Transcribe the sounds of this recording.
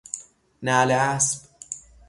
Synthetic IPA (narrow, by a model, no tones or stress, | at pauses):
næːleæsb̥